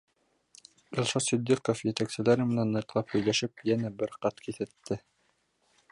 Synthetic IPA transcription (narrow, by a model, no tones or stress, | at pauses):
ilˠʃɑsid̪ːekofjɘ̆t̪æksɘ̆læɾɘmɘ̆nænːɤ̆jt̪lˠɑphɵ̆jlæʃɘpjænæbɘɾqɑt̪kiθɘ̆t̪ːɘ